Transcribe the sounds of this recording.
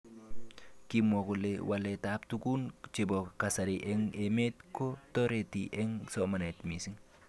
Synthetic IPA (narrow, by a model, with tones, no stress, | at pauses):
ki˦mo˨ku˨lewʔa˨le˨ta˨˦p̚tu˦ku˦nt͡ʃe˨bɔ˨ka˨sa˨ɾiʔɛ˦ŋe˨me˦tko˦tɔ˦ɾe˨tḭʔɛ˦ŋsɔma˨nɛ˨tmi˨si˦ŋ